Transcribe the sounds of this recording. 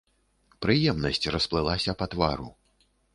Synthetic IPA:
pɾɨjɛmnɐsʲt͡sʲrɐsplˠɨlˠasʲɐpɐt̪va̰ɾṵ

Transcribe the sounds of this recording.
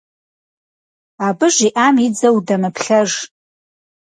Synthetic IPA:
abɨʐʷiʔamid͡zɐwdamɨpʰɬɐʐ

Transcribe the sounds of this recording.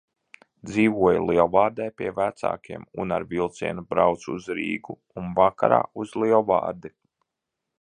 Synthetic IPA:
d̪ziːvuɔjulˠiɔvaːɾd̪ɛjpʲiɛvæt̪sa̰ːkʰʲiɛmṵna̰ɾvilˠt̪siɛnubɾawt̪suzɾḭːɡu | unvaka̰ɾa̰ːuzlˠiɔva̰ːɾd̪i

